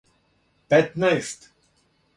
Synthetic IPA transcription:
pɛt̪najft̪

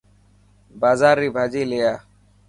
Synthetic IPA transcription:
baːzaːɾːibʱaːd͡ʒilejaː

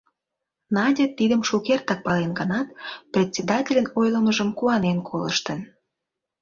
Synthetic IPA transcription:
nɑdʲet̪ːid̪əmʃukert̪ɑk̚pɑlenɡənɑt̪prʲet̪ʲsʲed̪ɑtʲelʲənojləməʒəmkuɑnenkʰoləʃt̪ən

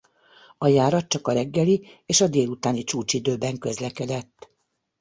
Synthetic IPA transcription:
ɒjaːɾɒt̪̚t͡ʃɒkɒɾɛɡːɛlieːʃɒd̪eːlut̪aːnit͡ʃuːt͡ʃid̪øːbɛŋkø̞zlɛkɛd̪ɛt̪ː

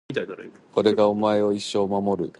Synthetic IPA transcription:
ko̞ɾe̞ɡao̞mae̞o̞iɕːo̞ːmamo̞ɾɯ̟

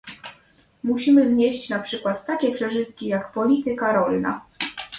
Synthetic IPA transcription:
muɕimɘzɲeɕt͡ɕnapʂɘkwat̪ːakʲɛpʂɛʐɘt̪kʲijakpɔlʲit̪ɘkaɾɔlna̰

